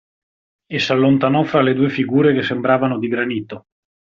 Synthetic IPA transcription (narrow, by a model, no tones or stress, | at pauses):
esːalːont̪anɔfɾaled̪uːefiɡuːɾekesːembɾaːvanod̪iɡɾaniːt̪o